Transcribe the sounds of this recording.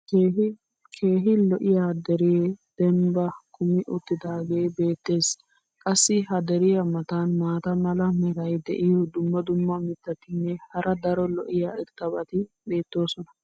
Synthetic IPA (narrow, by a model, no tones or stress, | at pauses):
kʰe̞ːɦɪlɔʔɪjaːd̪ɛɾɪjed̪̥ɛmbɐkʰʊmɪʔʊt̪ːɪd̪aːɡeːbe̞ːt̪ːe̞ːs | kʼɐsːɪɦɐd̪ɛɾɪjɐmɐt̪anmaːt̪ɐmɐlɐmɛɾɐjd̪ɛ̰ʔɪjɔd̪ʊmːɐd̪ʊmːɐmɪt̪ːɐt̪ːɪnːɛhɐɾʔɐd̪ɐɾɔlɔʔɪjaːɪɾt̪ɐbɐt̪ɪɗe̞ːt̪ːo̞ːsɔnɐ